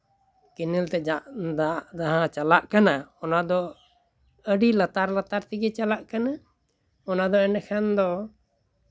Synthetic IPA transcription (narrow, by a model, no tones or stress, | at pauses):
kinilt̪ɛd͡ʒaʔd̪aʔd̪aɦãt͡ʃalaʔkanaɔnad̪ɔ | əɖilat̪aɾlat̪aɾt̪iɡɛt͡ʃalaʔkana | ɔnad̪ɔɛnɛkʰɛnd̪ɔ